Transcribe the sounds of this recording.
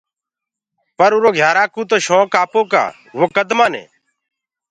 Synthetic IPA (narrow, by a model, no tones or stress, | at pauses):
pəɾʊɾoːɡʱjaːɾaːkũːt̪̬oːʃõːkaːpoːka̰ː | ʋoːkəd̪maːnḛː